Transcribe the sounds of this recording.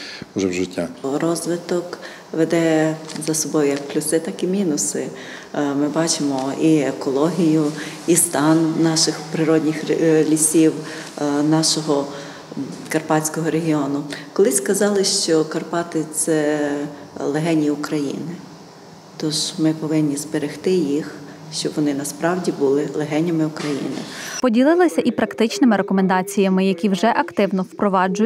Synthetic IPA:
ʊʒɛwʒɪtʲːaɾɔzʋɪt̪ɔk | ʋed̪ɛzɐsɔbɔjʊjɐkplʲʊsɪt̪ɑkimʲinʊsɪ | mɪbɑt͡ʃɪmɔiekɔlˠɔɦʲijʊ | ist̪ɑnːɑʃɪxpɾɪɾɔdʲnʲɪxlʲisʲiw | nɑʃɔɦɔ | kɐrpɑt͡sʲkɔɦɔɾeɦʲiɔnʊkɔlˠɪsʲkɐzɑlˠɪʃt͡ʃɔkɐrpɑt̪ɪt̪sɛ | lˠeɦɛnʲiʊkɾɐjḭnɪ | t̪ɔʃmɪpɔʋɪnʲːizbeɾɪxt̪ɪjix | ʃt͡ʃɔbʋɔnɪnɐspɾɑwdʲibulˠɪlˠeɦɛnʲɐmɪʊkɾɐjḭnɪ̰pɔdʲilˠɪlˠɐsʲɐʔipɾɐkt̪ɪt͡ʃnɪmɪɾekɔmend̪ɑt͡sʲijɐmɪjɐkʲiwʒɛʔɐkt̪ɪwnɔwpɾɔʋɑd͡ʒʊj

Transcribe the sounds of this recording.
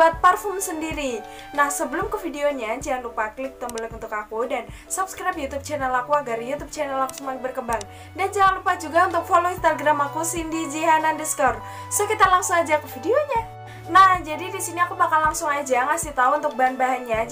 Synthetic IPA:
uat̪̚pərfɔmsəndiɾi | nahsəbəlʊmkəfideoɲad͡ʒiɦanlupaklɪk̚t̪əmbələkunt̪ʊkakudan | supskɾajp̚jut̪ub̚t͡ʃɛnɛlakuaɡarjut̪ub̚t͡ʃɛnɛlaku̥suŋmakbərkəmbaŋ | dand͡ʒaŋanlupad͡ʒuɡaunt̪ʊk̚foloinst̪aɡɾamakusindid͡ʒiɦanandɛsk̪ɔr | sokit̪alaŋsʊŋad͡ʒakəfideoɲa | nahd͡ʒadidisiniakupakalaŋsʊŋad͡ʒaŋasɪht̪auunt̪ʊk̚baɦanbaɦanɲa

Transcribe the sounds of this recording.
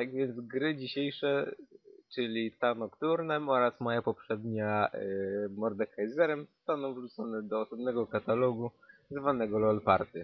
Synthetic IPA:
t̪aɡvʲjɛnd̪zɡɾɘd͡ʑiɕejʂɛ | t͡ʂɘlʲit̪anɔkt̪uɾnɛmɔɾasmɔjapɔpʂɛd̪ɲaʔmɔɾd̪ɛkajzɛɾɛmzɔ̥st̪anɔ̃w̃vʐut̪sɔnɛd̪ɔːsɔbnɛɡɔkat̪alɔɡuzvanɛɡɔlɔlpa̰ɾt̪ɘ

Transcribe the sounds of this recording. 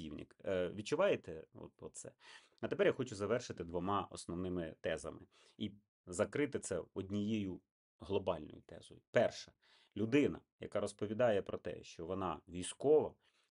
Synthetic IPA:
ḭwnʲḭkʋʲit̚t͡ʃːʊʋɑjt̪ɛɔ̰t̪ɔt̪sɛ̰ | ɐt̪epɛɾjaxɔt͡ʃʊzɐʋɛrʃɪt̪ɪd̪ʋɔmɑɔ̰snɔwnɪmɪt̪ɛzɐ̰mɪ̰ | i | zɐkɾɪt̪ɪt̪sɛɔdʲnʲijejʊ | ɦlˠɔbɑlʲnɔ̰jʊ̰t̪ɛ̰zɔjʊpɛrʃɛ | lʲʊd̪ɪnɐ̰ | jɐ̰kɑɾɔspɔʋʲid̪ɑjɛpɾɔt̪ɛ̰ʃt͡ʃɔʋɔnɑʋʲijsʲkɔʋɐ̰

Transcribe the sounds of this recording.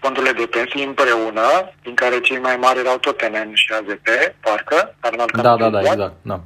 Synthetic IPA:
pont̪uled̪epesiimpəɾeunap̪iŋkaɾet͡ɕimajmaɾiɾawt̪ot̪enenʃiazepepaɾkəaɾnalkad̪ad̪ad̪aeaɡzana

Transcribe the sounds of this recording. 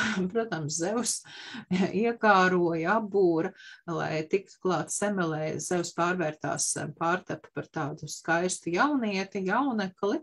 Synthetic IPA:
pɾuɔt̪amszɛws | iɛkaːɾuɔjabuːɾɐlˠa̰jt̪ik̚t̪u̥klˠɑːt̪sɛmɛlˠɛːz̥ɛwspaːɾvɛːɾt̪a̰ːspɑːɾt̪appaɾt̪aːd̪uskajst̪ujawniɛt̪ijawnɛklˠi

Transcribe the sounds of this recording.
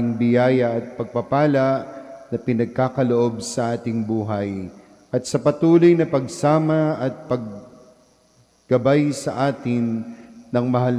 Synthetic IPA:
ɪŋbɪjaːjɐɐt̪̚pɐɡ̚pɐpaːlɐʔnɐpɪnɐɡ̚kaːkɐloʔo̞bsɐʔaːt̪ɪŋbuːɦɐj | ʔɐt̪̚sɐpɐt̪uːlo̞jnɐpɐɡsaːmɐɐt̪̚pɐɡ̚ | ɡ̥ɐbajsɐʔaːt̪ɪnːɐŋmɐɦal

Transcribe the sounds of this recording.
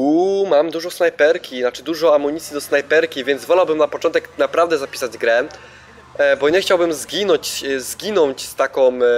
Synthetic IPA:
umamd̪uʐɔsnajpɛɾkʲinat͡ʂɘd̪uʐɔamuɲit̪sʲjid̪ɔsnajpɛɾkʲivʲjɛnd̪zvɔlawbɘmnapɔt͡ʂɔnt̪ɛknapɾavd̪ɛzapʲi̥sad͡ʑɡɾɛ | bɔɲɛxt͡ɕawbɘmzɡʲinɔɲt͡ɕzɡʲinɔɲt͡ɕst̪akɔ̃m

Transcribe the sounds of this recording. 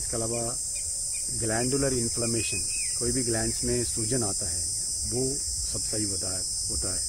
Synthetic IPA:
d͡ʒkeɐlaːʋa | ɡlɛ̃ːɳɖʊləɾɪnpʰlaːmeːʃən | koːibʱiɡlɛ̃ːnsmẽsuːd͡ʒənaːt̪aɦɛː | ʋo | sɐbsaɦiɦoa | ɦoːt̪aɦɛː

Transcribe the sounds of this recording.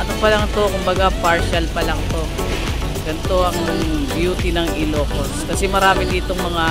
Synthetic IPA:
ʔɐnopɐlɐŋt̪o̞kʊmbɐɡapaɹʃɐlpɐlɐŋt̪o̞ | ɡɐnt̪o̞ʔɐŋbjuːt̪inɐŋʔɪloːkoskɐsɛmɐɾaːmɪd̪iːt̪oŋmɐŋa

